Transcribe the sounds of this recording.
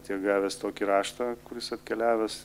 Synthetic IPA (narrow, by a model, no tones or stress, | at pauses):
t̪ʲiɛɡɑːʋʲɛst̪oːkʲiɾɑːʃt̪ɑːkʊɾʲɪsɐt̪ʲkʲɛlʲæːʋʲɛs